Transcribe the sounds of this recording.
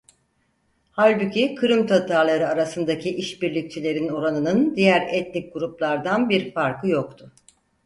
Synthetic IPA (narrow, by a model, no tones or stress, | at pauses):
halʲbucʰikʰɯɾɯmt̪ʰat̪ʰaɾlˠaɾɯaɾasɯnd̪acʰiʔiʃbiɾlʲic̚t͡ʃʰilʲe̞ɾino̞ɾanɯnɯnd̪ijæɾɛt̪̚nik̚ɡuɾuplˠaɾd̪anbiɾfaɾkʰɯjokt̪ʰʊ